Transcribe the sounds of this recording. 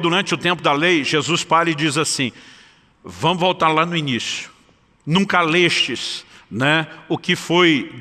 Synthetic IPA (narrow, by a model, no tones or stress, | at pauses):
d̪uɾɐ̃nt͡ʃɪʊt̪ẽmpʊd̪ɐlejʒezuspaɾɐɪd͡ʒizasĩ | vɐ̃mʊvowt̪aɾlanʊinisjʊ̥ | nũkaleʃt͡ʃɪsnɛʊkɪfoj